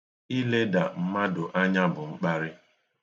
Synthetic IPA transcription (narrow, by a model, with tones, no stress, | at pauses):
i˦le˦da˨m̩˦ma˦dʊ˨ʔa˦ɲa˦bʊ˨ŋ͡m̩˦k͡pa˦ɾɪ˦